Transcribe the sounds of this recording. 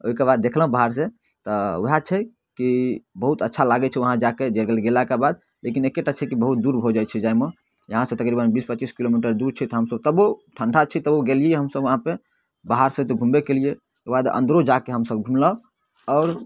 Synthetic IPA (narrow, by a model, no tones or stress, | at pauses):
oɦikebad̪̚ːekʰlɦbaɦaɾse | t̪ɔoɦat͡ʃʰɛ | kibəɦut̪ətːʃʰalaɡɛt͡ʃʰɛʋəɦãd͡ʒaked͡ʒelɡelɡelakebad̪̚ | lekinekeʈat͡ʃʰɛkibəɦut̪̚d̪uɾbʱod͡ʒat͡ʃʰɛd͡ʒame | jəɦãsẽt̪əkɾibənbispətːt͡ʃiskilomiʈəɾd̪uɾt͡ʃʰɛt̪ɔɦəmsəb̚t̪əboʈʰəɳɖʰat͡ʃʰɛt̪əboɡelieeɦəmsəbʋəɦãpe | baɦaɾsẽt̪ɔɡʱũmbekelie | kebad̪ə̰̃nd̪ɾod͡ʒakeɦəmsəb̚ɡʱumla | ɔːɾ